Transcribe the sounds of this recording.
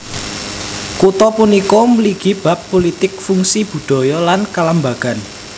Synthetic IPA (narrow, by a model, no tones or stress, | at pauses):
kut̪ɔpunikɔməliɡ̥ib̥ä̤pːolit̪ɪk̚fuŋsib̥ṳd̪̥ɔ̤jɔlankalambaɡ̥a̤n